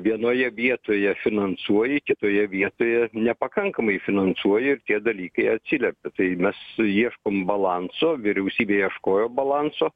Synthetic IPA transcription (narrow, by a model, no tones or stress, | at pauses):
ʋʲiɛnoːjɛʋʲiɛt̪oːjɛfʲɪnɐnsuɔjɪkʲɪt̪oːjɛʋʲiɛt̪oːjɛnʲɛpɐkɐŋkɐmɐɪfʲɪnɐnsuɔjɪɪrt̪ʲiɛd̪ɐlʲiːkɐɪɐt̪ʲsʲɪlʲɛpʲɪt̪ɐɪmʲɛsiɛʃkoːmbɐlˠɑnsoːʋʲɪɾʲɛʊsʲiːbʲeːiɛʃkoːjoːbɐlˠɑnsoː